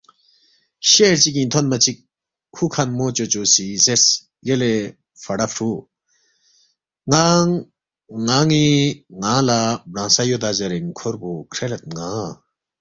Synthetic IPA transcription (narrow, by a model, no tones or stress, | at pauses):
ɕeɾt͡ɕik̬ĩnt̪ʰonmɐt͡ɕʰik̚ːʰ | ukʰanmot͡ɕot͡ɕosises | jəle | fɐɽafʰɾu | ŋaŋː | aŋiŋãlabɾãːsajod̪azɐɾeŋkʰoɾbokʰɾelɐt̪̚ŋã